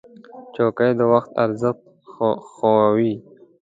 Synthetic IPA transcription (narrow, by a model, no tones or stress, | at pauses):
t͡ʃoːkajd̪əwaxt̪a̰ɾzət̪ | xoawi